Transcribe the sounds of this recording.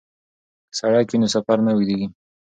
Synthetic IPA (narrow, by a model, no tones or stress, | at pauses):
saɽakinosafaɾnawid̪eɡi